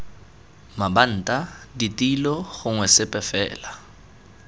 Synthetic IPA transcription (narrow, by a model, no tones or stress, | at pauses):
maban̩ːtʼaditʼilɔɣʊŋwɛsɪpʼɛfɛ̰ːla